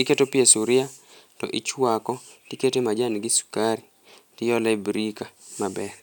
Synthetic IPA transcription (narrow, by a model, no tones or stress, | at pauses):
iketopiesuɾɪa | tɔ̰ʔit͡ʃwakɔ | tiketemad͡ʒanɡɪsu̥kaɾi | tɪjɔlabɾikamabɛr